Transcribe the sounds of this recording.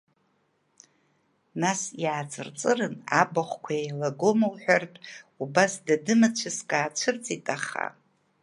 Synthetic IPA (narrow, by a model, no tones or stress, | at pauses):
nasjaːt͡sʼɨ̰rt͡sʼɨrɨnabaχʷkʷʰaejlaɡo̞mawħᶣartʼubasdadɨmat͡ʃʷʰɨskʼaːt͡ʃʷʰɨrt͡sʼitʼaχa̰